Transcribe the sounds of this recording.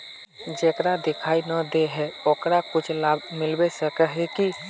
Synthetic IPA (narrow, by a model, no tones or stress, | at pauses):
d͡ʒeːkɾad̪ɪkʰaːinəd̪eɦɛokɾakʊt͡ʃʰlaːbmɪlbesəkəɦeki